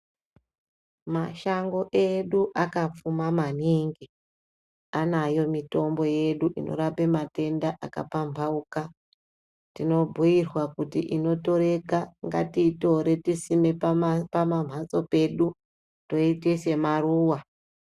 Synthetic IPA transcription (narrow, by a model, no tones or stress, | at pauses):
maʃaŋɡo̞ʔe̞ɗuʔakap͡fumamaniːŋɡi | anajo̞mito̞mbo̞je̞ɗuʔino̞̰ɾape̞mate̞ndaʔaka̰pampauka | tino̞bʱujirwakutḭʔino̞to̞ɾe̞kaŋɡa̰tiːto̞ɾe̞tisime̞pamam̤at͡so̞pe̞ɗu | to̞itese̞maruːwa